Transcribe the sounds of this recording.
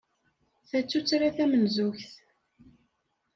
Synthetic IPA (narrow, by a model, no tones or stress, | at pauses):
θæt͡sːut͡sːɾaθæmənzuçθ